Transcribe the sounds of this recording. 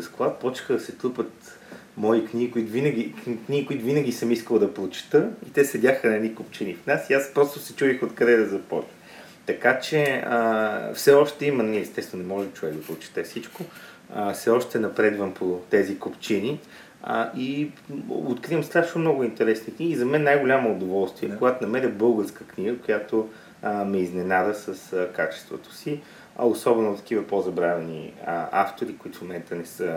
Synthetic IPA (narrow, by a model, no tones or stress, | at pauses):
əsklˠapɔt͡ʃkəd̪ɐsɛt̪ˠupət̪ | mɔikniɡikʊit̪vinəɡʲikniɡikʊit̪ʊvinəɡʲisəmiskəlˠd̪ɐplˠʊt͡ʃɛ̥t̪əit̪ɛsɛd̪ʲaxənɐɛnikop̚t͡ʃinifnasiaspɾɔst̪ʊsɛt͡ʃuvixot̪kɐd̪ɛd̪ɐzɐpɔ̰t͡ʃnə | t̪ɐkat͡ʃɛəfsɛɔʃt̪ɛimənniɛst̪ɛsvnonɛmɔʒɛmt͡ʃovɛɡd̪ɐpolˠʊt͡ʃɛ̥t̪ɛfsit͡ʃko | əfsɛɔʃt̪ɛnɐpɾɛd̪vəmpʰot̪ɛzikopt͡ʃini | ə̰ʔi | ot̪kɾivəmslʲad̪ʃnomnɔɡʊint̪ɛɾɛsnikniɡʲizɐmɛnːajɡʊlʲaməod̪ovɔlˠst̪viɛkʊɡat̪nɐmɛɾʲəbɤlˠɡəɾskəkniɡəkojat̪o | mɛiznɛnad̪əsəskat͡ʃɛ̥st̪vo̰t̪o̥si | ɐ̰osɔbɛnʊt̪ɐ̥k̟ʲivəpozɐbɾavɛnḭəaft̪oɾikʊit̪ʊ̥fmomɛnt̪ənɛsə